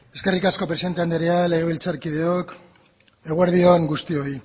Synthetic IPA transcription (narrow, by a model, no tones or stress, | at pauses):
e̞ske̞rikasko̞pɾeiðe̞nt̪eand̪eɾeale̞ɣ̞e̞βilt͡saɾkiðe̞ok | e̞ɣueɾðio̞ŋɡust̪io̞i